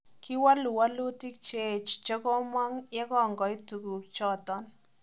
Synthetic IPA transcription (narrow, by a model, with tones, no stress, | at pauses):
ki˦wa˦lu˨wa˦lu˦ti˦k̚t͡ʃe˦˨t͡ʃt͡ʃɛ˦kɔ˦ma˦ŋja˦kɔ˦˨ŋɡɔ˨i˦tu˨ku˨t͡ʃɔ˦˨tɔ˦n